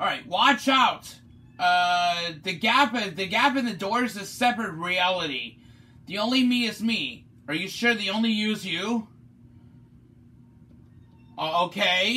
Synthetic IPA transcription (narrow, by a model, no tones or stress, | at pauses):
ɑlˠɹaɪt̚wɑt͡ʃaʊt̚ | ʌðɨɡæpɨðɨɡæpɨ̃nðɨdɔɹɨzɨsɛpɹɨt̚ɹiælˠəɾḭ | ðiõʊ̃nlimiɨzmi | ə˞jɨʃʊɹðiõʊ̃nlijʉzjʉ | ʔooʊkʰeɪ